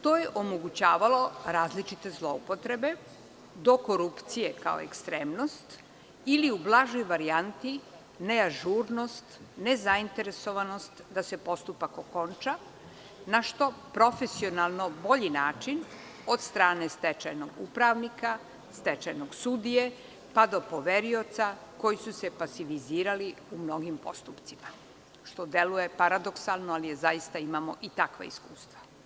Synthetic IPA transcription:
t̪o̞jeʔo̞moɡut͡ɕaːʋalo̞ɾaːzlit͡ʃit̪e̞zlˠo̞upo̞t̪ɾe̞be̞ | d̪o̞ko̞ɾupt̪sije̞ka̰o̰ḛkst̪ɾe̞ːmno̞st̪ | iliublˠaʒojʋaɾiant̪i | ne̞aʒuɾno̞st̪ne̞zaint̪e̞ɾe̞so̞ʋano̞st̪d̪ase̞po̞st̪upako̞ko̞nt͡ʃa | naʃt̪o̞pɾo̞fe̞sio̞nalˠno̞bo̞ʎinaːt͡ʃin | od̪st̪ɾaːne̞st̪et͡ʃajnoɡṵpɾaʋnika | st̪et͡ʃajnoɡsud̪ije̞ | pad̪o̞po̞ʋeɾio̞t̪sako̞jisuse̞pasiʋiziːɾaliumno̞ɡimpo̞̰st̪upt̪sima | ʃt̪o̞d̪e̞luje̞paɾad̪o̞ksalˠnoalije̞zajist̪aimamo̞̰ʔit̪akʋa̰ḭskuːst̪ʋa

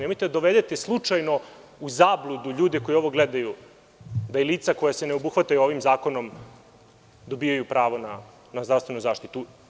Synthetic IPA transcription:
nemojt̪ed̪ad̪oʋed̪et̪eslˠut͡ʂajno̞ | uzaːblˠud̪uʎuːd̪eko̞jio̞ʋo̞ɡled̪aju | d̪ajeliːt̪sako̞jase̞neobuxʋat̪ajuo̞ʋimzaːko̞no̞m | d̪o̞bijajupɾaːʋo̞na | nazd̪ɾavst̪ʋe̞nuzaːʃt̪it̪u

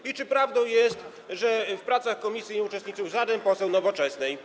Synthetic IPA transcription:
it͡ʂɘpɾavd̪ɔ̃w̃jɛst̪ | ʐɛfpɾat̪saxkɔmʲisʲjiut͡ʂɛst̪ɲit̪suzad̪ɛmpɔsɛwnɔvɔt͡ʂɛsnɛj

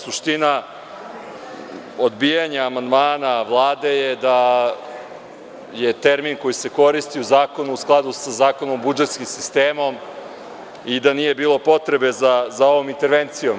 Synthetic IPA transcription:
suʃt̪ina | od̪bijaɲaːmand̪maːnaʋlˠaːd̪e̞jed̪a | jet̪e̞ɾminko̞jiseko̞ɾist̪iuzaːko̞nuusklˠad̪usazaːko̞nombud͡ʒet̪skimsist̪eːmo̞m | id̪anije̞biːlˠo̞po̞t̪ɾe̞be̞zazao̞ʋo̞mint̪e̞ɾʋent̪sijom

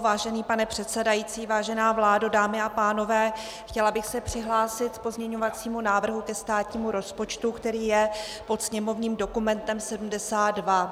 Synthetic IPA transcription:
vaːʒɛniːpanɛpr̥ɛt̪sɛdajiːt͡siːvaːʒɛnaːvlaːdodaːmɪapaːno̞vɛː | xcɛlabɪxsɛpr̝̥ɪɦlaːsɪt̪po̞zɲɛɲo̞vat͡siːmunaːvr̩ɦukɛst̪aːt̪ɲiːmuɾo̞spo̞t͡ʃt̪ukt̪ɛɾiːjɛ | po̞t̪sɲɛmo̞vɲiːmdo̞kumɛnt̪ɛmsɛdum̩dɛsaːt̪dva

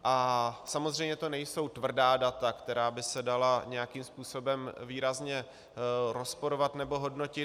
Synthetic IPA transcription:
ʔasamozr̝ɛjmɲɛt̪o̞nɛjso̞wt̪vr̩daːdat̪akt̪ɛɾaːbɪsɛdalaɲɛjakiːmspuːso̞bɛmviːɾazɲɛ | ɾo̞spo̞ɾovat̪nɛbo̞ɦo̞dno̞cɪ

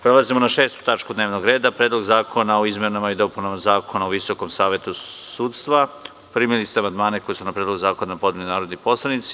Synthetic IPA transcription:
pɾelˠazimo̞naʃeːst̪u̥t̪at͡ʃkud̪neːʋnoɡɾe̞ːd̪apɾe̞ːd̪lo̞ɡzaːkʰo̞naoizmenamaid̪o̞punamazaːkʰo̞naoʋiso̞komsaːʋe̞t̪usuːt̪st̪ʋa | primilist̪eamand̪maːneko̞jesunapɾed̪loɡuzaːkonapo̞d̪melinaːɾod̪nipo̞slˠanit̪si

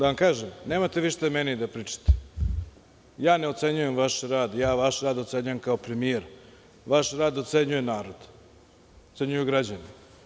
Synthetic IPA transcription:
d̪aʋamkaːʒemneːmat̪eʋiʃt̪amenid̪apɾiːt͡ʂḁt̪e̥ | jaːneot̪se̞ɲuje̞mʋaʃɾaːd̪jaːʋaʃɾaːd̪ot̪seɲujemkaopɾemijeɾ | ʋaʃɾaːd̪ot̪seɲuje̞naːɾo̞d̪̥ | ot̪seɲujuɡɾad͡ʑani

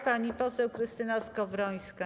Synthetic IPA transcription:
paɲipɔsɛwkɾɘst̪ɘnaskɔvɾɔj̃ska

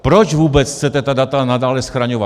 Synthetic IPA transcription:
pɾot͡ʃvuːbɛt͡sxt͡sɛt̪ɛt̪adat̪anadaːlɛsxɾaɲova

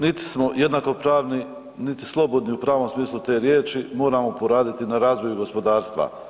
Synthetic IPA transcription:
nit̪i̥smo̞je̞d̪nako̞pɾaːʋni | nit̪i̥slˠo̞bo̞d̪niupɾaːʋo̞msmiːslˠut̪e̞ːɾje̞ːt͡ʃimo̞ːɾamo̞po̞ɾaːd̪it̪inaɾaːzʋo̞juɡo̞spo̞d̪aːɾst̪ʋa̰

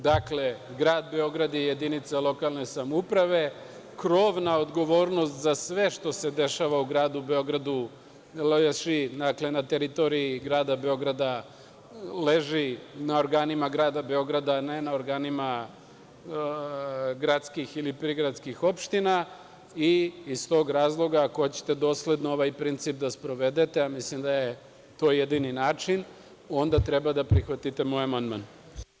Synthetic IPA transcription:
d̪akle̞ɡɾaːd̪be̞o̞ɡɾad̪jeje̞d̪init̪salˠo̞kalˠne̞samoupɾaʋe̞ | kɾo̞ːʋnao̞d̪ɡo̞ʋo̞ːɾno̞st̪zasʋe̞ʃt̪o̞se̞d̪e̞ʃaʋauɡɾaːd̪ubeo̞ɡɾad̪u | lʃid̪akle̞nat̪e̞ɾit̪o̞ɾiiɡɾaːd̪abe̞o̞ɡɾad̪a | le̞ʒinaoɾɡaːnimaɡɾaːd̪abe̞o̞ɡɾad̪ane̞nao̞ɾɡaːnima | ɡɾat̪skixilipɾiɡɾat̪skixo̞pʃt̪ina | iːst̪o̞ːɡɾaːzlˠo̞ɡaːkot͡ɕe̥t̪e̞d̪o̞ːsle̞d̪noo̞ʋaːjpɾint̪sip̚d̪aspɾo̞ʋe̞d̪et̪eamislimd̪aje | t̪o̞ːjed̪ininaːt͡ʂin | o̞nd̪at̪ɾe̞bad̪apɾixʋat̪it̪e̞mo̞jamand̪man

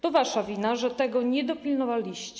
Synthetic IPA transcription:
t̪ɔvaʂavʲinaʐɛt̪ɛɡɔɲɛd̪ɔpʲilnɔvalʲiɕt͡ɕɛ

